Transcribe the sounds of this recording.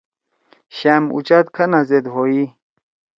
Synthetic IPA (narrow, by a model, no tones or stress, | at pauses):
ɕamṵt͡ɕat̪kʰanazed̪ɦoi